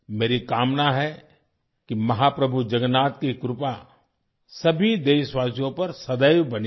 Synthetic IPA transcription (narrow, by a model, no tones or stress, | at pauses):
meːɾikaːmnaɦɛ | kimɐɦaːpɾɐbʱud͡ʒɐɡnaːt̪̚kikɾʊpa | sɐbʱid̪eːʃʋaːsjõpɐɾsɐd̪əjbɐni